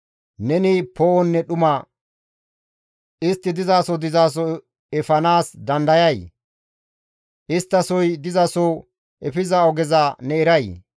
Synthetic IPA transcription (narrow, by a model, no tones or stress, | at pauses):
nɛnɪpoːɔnːɛɗʊmɐ | ʔɪst̪ːɪd̪ɪzaːsɔd̪ɪzaːs̬ɔ | ɛfɐnaːsd̪ɐnd̪ɐjɐj | ʔɪst̪ːɐsɔjd̪ɪzɐsɔ | ʔɛfɪzɐɔɡɛzɐnɛɛɾɐj